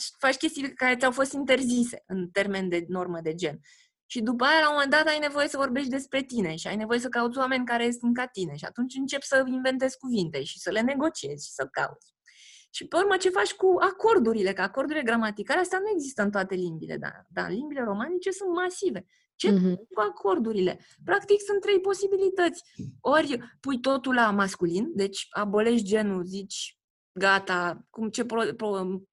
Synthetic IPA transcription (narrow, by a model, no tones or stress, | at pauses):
fat͡ʃkʲe̞st̪ikaɾe̞t̪sʲawfo̞st̪int̪e̞rzise̞ɨnt̪e̞rme̞nd̪e̞no̞rməd̪ed͡ʒe̞n | ʃid̪up̬əajalamo̞me̞nd̪at̪ajne̞vo̞je̞səvo̞rbe̞ʃ̬t̪̚ʲd̪e̞spɾe̞t̪ine̞ʃia̰jne̞vo̞je̞s̬əkaut̪sʲwame̞nʲkaɾejes̬t̪ɨnkat̪ine̞ʃia̰t̪unt͡ʃʲɨnt͡ʃe̞psəinve̞nt̪e̞zʲkuvint̪eʃisəle̞neɡo̞t͡ʃie̞zʲʃi̥səka̰ṵt̪sʲ | ʃipe̞urmət͡ʃe̞fat͡ʃʲkuako̞rd̪uɾile̞kəako̞rd̪uɾile̞ɡɾamat̪ikaleast̪eanue̞ɡzist̪əɨnt̪oat̪e̞limbile̞̰d̪a̰d̪a̰ɨ̰limbile̞ɾo̞manit͡ʃe̞sunt̪masive̞ | t͡ʃe̞kuakʰo̞rd̪uɾile̞ | pɾakt̪iksunt̪ːɾe̞jpo̞sibilit̪ət̪sʲo̞ɾʲpujt̪o̞t̪ulamaskulind̪e̞t͡ʃʲa̰bo̞le̞ʃd͡ʒe̞nuzit͡ʃʲ | ɡat̪akumt͡ʃe̞popo